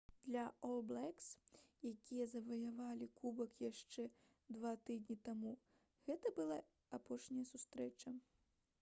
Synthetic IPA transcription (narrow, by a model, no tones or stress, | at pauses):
d̪̥lʲɐɔlˠblˠɛksjakʲijɐzɐvɐjavalʲikʰubɐkjaʂt͡ʂɛ | d̪vat̪ɨd̪ʲnʲit̪amu | ɣɛt̪ɐbɨlˠaː | pɔʂnʲɐjɐsust̪ɾɛt͡ʂɐ